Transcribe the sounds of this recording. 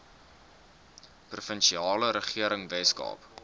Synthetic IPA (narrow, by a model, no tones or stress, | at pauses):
prufənʃiɑːləɾəχiəɾəŋvɛskɑ̰ːp